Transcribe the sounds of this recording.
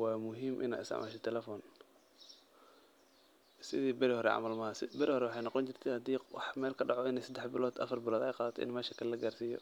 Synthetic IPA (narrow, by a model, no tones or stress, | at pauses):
wɑːmʊɦiːmʔɪ̰na̰ɪ̰sɪ̰ʕmʔa̰ːʃɛt̪ʰɛlɛfɔːn | sɪðiːbɐɾihɔɾɛ̰ʕɑ̰mɐlmɐɦɐsɪbɐɾihɔɾɛwɑħɑjnɑqɔnt͡ʃɪr̥t̪ʰɛhɐd̪iːwɑħmɛːlkʰɐɖɑʕɔɪnɛjsɐd̪ɛħbɪlɔːd̪ʔɐ̰fɐrbɪlɔːd̪ɛjqɑːðɐt̪ʰɛ̰ʔɪnmɛːʃɐkʰɐlɐɡaːrsiːjɔ̰